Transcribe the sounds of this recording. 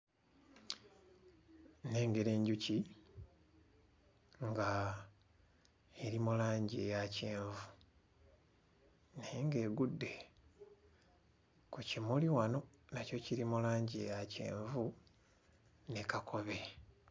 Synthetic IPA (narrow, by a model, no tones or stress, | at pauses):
ne̞ːŋɡe̞ɾe̞ːɲɟuci | ŋɡa | eɾimulaːɲɟie̞jace̞ːɱvu | neŋɡe̞ːɡudːe̞ | kucimuliwano̞ | naco̞ciɾimulaːɲɟiejace̞̰ːɱvu | ne̞kakʰo̞βe̞